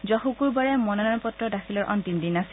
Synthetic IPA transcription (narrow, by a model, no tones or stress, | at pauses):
zɔhukuɹbaɹɛmɔnɔnɔnpɔtːɹɔdaxʰilɔɹʔɔ̰ntindinas